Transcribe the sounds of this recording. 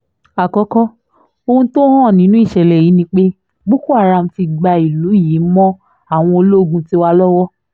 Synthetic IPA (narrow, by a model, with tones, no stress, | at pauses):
a˨kɔ˨˧˦kɔ˦ | o˧hũ˧to˦hɔ̃˦ɔ˦˨nĩ˨˦nũ˦i˦˨ʃɛ˨lɛ˨ji˨˦nĩ˧˦k͡pe˦ | bu˦ku˦a˦˨ɾa˧˨m̩˦fi˧ɡ͡ba˧i˨lu˨˦ji˨˦mɔ̃˦ | a˦˨w̃ɔ̃˧o˧lo˦˨ɡũ˧ti˦wa˧lɔ˦wɔ˦